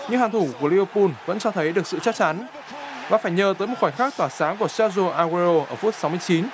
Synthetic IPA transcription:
ɲɨ̰˧˥ŋhaː˨˩nt̪ʰu˧˩ku˧˩li˧və˧pu˧nvə̰˧˥nt͡ɕɔ˧t̪ʰə˨˦jɗɨ˨˩ək̚sɨ̰˧˨t͡ɕa˦˥t͡ɕa˨˦n | vaː˨˩faː˧˩jɲəː˨˩t̪əː˨˦jmo˨˩wɔː˧˩jxaː˦˥k̚t̪waː˧˩saː˨˦ŋku˧˩əsaː˦˥zo˧ʔaː˧ɣe˧ɾo˧ʔəː˧˩fu˦˥ət̚sa˨˦wm˧ət͡ɕi˨˦n

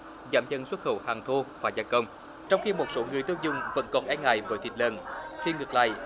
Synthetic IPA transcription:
zaː˧˩˦mzə˧nswə˦˥t̚xə̰˧˩whaː˨˩ŋt̪ʰo˧vaː˨˩zaː˧jkə˧wŋ͡m | t͡ɕɔ˧wŋ͡mxi˧mo˨˩t̚so˨˦ŋɨ˨˩əjt̪oː˧zʊ˧ŋ͡mvə̰˧˥nkɔ˨˩nʔɛ˧ŋa̰ː˧˩jvəː˨˦t̪ʰḭ˨˩t̚lə̰˧˨˩nxʰi˧ŋɨ˨˩k̚la̰ː˧˨j

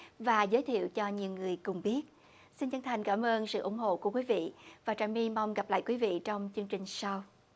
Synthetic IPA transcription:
vaː˨˩zəː˨˦jt̪ʰḭ˧˨əwt͡ɕɔ˧ɲi˨˩wŋɨ˨˩əjkʊ˨˩ŋ͡mɓi˦˥ət̚ | si˧nt͡ɕə˧nt̪ʰa˨˩jŋ̟kaː˧˩mʔəː˧nsɨ̰˧˨ʔʊ̰˧˩˦ŋ͡mɦo̰˧˨ku˧˩əkwi˨˦vḭ˧˨vaː˨˩t͡ɕaː˨˩jmi˧ma˧wŋ͡mɣa˨˩p̚la̰ː˧˨jkwi˨˦vḭ˧˨t͡ɕɔ˧wŋ͡mt͡ɕɨ˧əŋt͡ɕï˨˩ŋ̟sa˧w

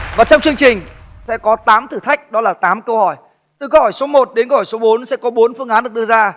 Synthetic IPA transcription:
vaː˨˩t͡ɕɔ˧wŋ͡mt͡ɕɨ˧əŋt͡ɕï˨˩ŋ̟sɛ̰˧˥kɔ˨˦t̪aː˨˦mt̪ʰɨ˨˩t̪ʰa˦˥jk̟̚ɗɔ˨˦laː˨˩t̪aː˨˦mkə˧whɔ˧˩j | t̪ɨ˨˩kə˧whɔ˧˩jso˨˦mo˨˩t̚ɗe˨˦nkə˧hɔ˧˩jso˨˦ɓo˨˦nsɛ̰˧˥kɔ˨˦ɓo˨˦nfɨ˧əŋʔaː˨˦nɨ˨˩ək̚ɗɨ˧əzaː˧

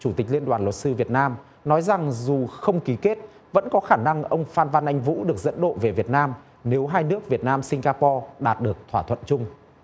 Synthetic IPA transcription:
t͡ɕu˧˩t̪ï˨˩k̟̚li˧ənɗwaː˨˩nlə˨˩t̚sɨ˧vi˨˩ət̚naː˧m | nɔ˨˦jza˨˩ŋzu˨˩xə˧wŋ͡mki˨˦ke˦˥t̚ | və̰˧˥nkɔ˨˦xaː˧˩na˧ŋʔə˧wŋ͡mfaː˧nva˧nʔa˧jŋ̟vṵ˧˥ɗɨ˨˩ək̚zə̰˧˥nɗo̰˧˨ve˨˩vi˨˩ət̚naː˧m | ne˨˦wɦaː˧jnɨ˦˥ək̚vi˨˩ət̚naː˧msï˧ŋ̟ɣaː˧pɔ˧ɗa̰ː˨˩t̚ɗɨ˨˩ək̚t̪ʰwaː˧˩t̪ʰwə̰˧˨nt͡ɕʊ˧ŋ͡m

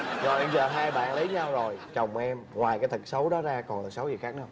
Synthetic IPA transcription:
zɔ̰˨˩jʔɛ˧mzəː˨˩ɦaː˧jɓa̰ː˧˨nlə˨˦jɲa˧wzo˨˩jt͡ɕə˨˩wŋ͡mʔɛ˧mŋwaː˨˩jkaː˨˦jt̪ʰɨ˨˩k̚sə˨˦wɗɔ˨˦zaː˧kɔ˨˩nlɨ˨˩k̚sə˨˦wzi˨˩xaː˦˥k̚ɲa˧wŋ͡m

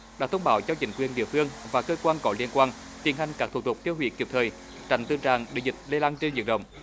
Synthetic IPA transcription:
ɗaː˨˥t̪ə˧wŋ͡mɓaː˨˦wt͡ɕɔ˧t͡ɕï˨˦ŋ̟kwi˨˩ənɗḭ˧˨əfɨ˧əŋvaː˨˩kəː˧kwaː˧nkɔ˨˦li˧ənkwaː˧n | t̪i˨˩ənha˨˩jŋ̟kaː˦˥k̚t̪ʰt̪ʰu˨˩k͡p̚t̪ʰi˧əwhwḭ˧˩ki˨˩p̚t̪ʰəː˨˩j | t͡ɕa̰˧˩ŋt̪ɨ˧t͡ɕaː˨˩ŋɗḛ˧˨˩zï˨˩t̚le˧laː˧nt͡ɕe˧nzɨ˧˨ən̚ɗə̰˧˨wŋ͡m

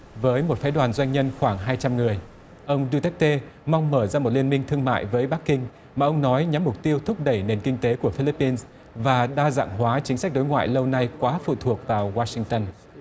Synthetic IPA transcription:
vəː˨˦jmo˨˩t̚faː˨˦jɗwaː˨˩nzwa˧jŋ̟ɲə˧nxwaː˧˩ŋɦaː˧jt͡ɕa˧mŋɨ˨˩əj | ʔə˧wŋ͡mɗu˧t̪ɛ˦˥k̚t̪e˧ma˧wŋ͡mməː˧˩zaː˧mo˨˩t̚li˧ənmï˧ŋ̟t̪ʰɨ˧əŋma̰ː˧˨jvəː˨˦jɓa˦˥kːï˧ŋ̟ | maː˨˩ʔə˧wŋ͡mnɔ˨˦jɲa˨˦mːʊ˨˩k͡p̚t̪i˧əwt̪ʰʊ˦˥k͡p̚ɗə˧˩jne˨˩nkï˧ŋ̟t̪e˨˦ku˧˩əfi˧li˦˥pːi˧ns | vaː˨˩ɗaː˧za̰ː˧˨ŋɦwaː˨˦t͡ɕï˨˦sa˦˥k̚ɗo˨˦jŋwa̰ː˧˨jlə˧wna˧jkwaː˨˦fṵ˧˨t̪ʰu˨˩ək̚vaː˨˩wwaː˧sï˧ŋt̪ə˧n

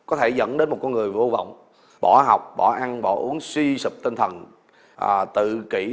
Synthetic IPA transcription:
kɔ˨˦t̪ʰe˧˩zə̰˧˥nɗe˨˦nmo˨˩t̚kɔ˧nŋɨ˨˩əjvo˧va̰˧˨wŋ͡m | ɓɔ˧˩˦ɦa˨˩wk͡p̚ɓɔ˧˩ʔa˧nɓɔ˧˩ʔu˨˦əŋswi˧sɨ˨˩p̚t̪i˧nt̪ʰə˨˩n | ʔaː˨˩t̪ɨ̰˧˨ki˧˩

